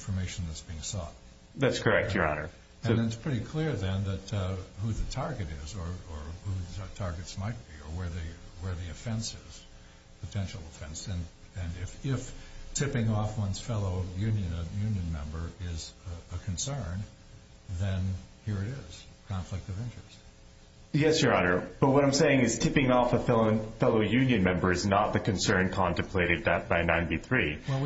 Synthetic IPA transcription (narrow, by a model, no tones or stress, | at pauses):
ɪ̃nfə˞meɪʃn̩ðɨtsb̥iɪ̃ŋsɔ̰t̚ | ðætskʰə˞ɛk̚ə˞ɔ̰nə̰˞ | ɨ̃nɨtspʰɹ̥ɪɾikʰl̥ɪɹðɨ̃nðɨt̚huðɨtʰɑɹɡɨɾɪzə˞ə˞huðɨtʰɑɹɡɨtsmaɪt̚b̥iə˞wə˞ðɨwə˞ðiɨfɛ̃nsɪz̥ | pʰɨtʰɛ̃nʃl̩ˠəfɛ̃nsɨ̃nɨ̃nɪfɪftʰɪpɪ̃ŋɔfwʌ̃nz̥fɛlˠoʊjʉ̃njɨ̃njʉ̃njɨ̃nmɛ̰̃mbə˞ɪzəkʰɨ̃nsɜ̃˞n | ðɨ̃nhiɹɨɾɪz̥kʰɑ̃ɱflɨk̚tʌvɪ̃nt͡ʃɹ̥ɨst | jɛsjə˞ɑnə˞b̥ʌt̚wʌɾãɪ̃mseɪɪ̃ŋɨz̥tʰɪpɪ̃ŋɔfəfɛlˠnfɛlˠoʊjʉ̃njɨ̃nmɛ̃mbə˞ɨznət̪̚ðɨkʰɨ̃nsɜ̃˞nkʰɑ̃ntɨ̃m̩pʰl̥eɪɾɨd̪̚ðɨt̚b̥aɪnãɪ̃nbiθɹiwɛ